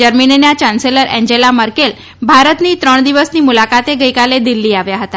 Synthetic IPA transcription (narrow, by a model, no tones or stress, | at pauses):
d͡ʒəɾminenat͡ɕanseləɾʔɛ̃ɲd͡ʑelaməɾkel | bʱaɾət̪nit̪ɾəɳ̃d̪iʋəsniːmulakat̪eɡəjkaled̪ilːiːaʋjaɦət̪a